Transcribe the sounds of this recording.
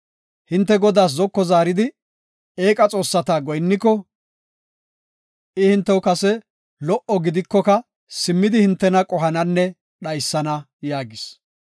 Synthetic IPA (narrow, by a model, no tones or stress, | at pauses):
hɪnt̪ːɛɡɔd̪aːs̬zɔkːɔzaːɾɪd̪ɪ | e̞ːkʼɐt͡sʼo̞ːsːɐt̪aːɡɔjnːɪkːɔ | ʔɪhɪnt̪ːɛwkɐsɛ | lɔʔɔɡɪd̪ɪkːɔkɐ | sɪmːɪd̪ɪhɪnt̪ːɛnɐkʼɔɦɐnɐnːɛ | ɗɐjsːɐnɐ | jaːɡɪs